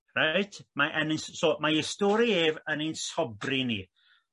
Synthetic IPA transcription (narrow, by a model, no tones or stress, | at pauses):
rajtʰmaʔənəssoːmaistɔːɾieːvəninsɔbrinḭ